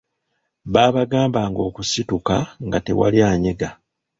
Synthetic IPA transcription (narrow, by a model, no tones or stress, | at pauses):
βaːβaɡaːmbaːŋɡo̞ːkusitukaŋɡate̞̰wa̰ljaːɲeɡa